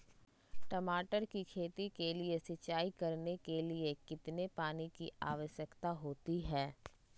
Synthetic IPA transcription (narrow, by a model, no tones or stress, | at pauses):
ʈɐmaːʈəɾkikʰeːt̪ikeliesɪt͡ʃaːikɐɾnekeliekɪt̪nepaːnikia̰ːʋəʃjəkt̪aɦoːt̪iɦɛː